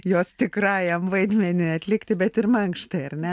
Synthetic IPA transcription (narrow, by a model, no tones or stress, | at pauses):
joːst̪ʲɪkrɑːjɛmʋɐɪd̪ʲmʲɛnʲɪɐt̪ʲlʲɪkt̪ʲɪbʲɛt̪ɪrmɐŋkʃt̪ɐɪɐrnʲɛ